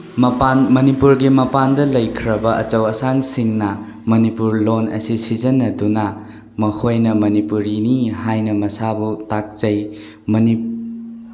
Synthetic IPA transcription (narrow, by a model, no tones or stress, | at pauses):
mɐpanmɐnipuɾɡimɐpandɐlɐjkʰɾɐbɐʔɐt͡ʃɐwɐsaŋsiŋnɐ | mɐnipuɾlonɐ̰sisizɐnːɐduna | mɐhʰojnɐmɐnipuɾiniɦajnɐmɐsabutak̚t͡ʃɐj | mɐni